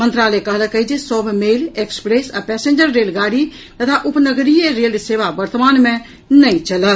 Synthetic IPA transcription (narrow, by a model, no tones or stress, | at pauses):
mə̃nt̪ɾaːlekəɦlkəɦid͡ʒesɔbʱmeːlekspɾeːsapɛːsẽːnd͡ʒəɾːeːlɡaːɾi | t̪ət̪ʰaʔʊpnəɡɾijeɾeːlseːʋabəɾt̪maːnmẽ | nəĩt͡ʃələ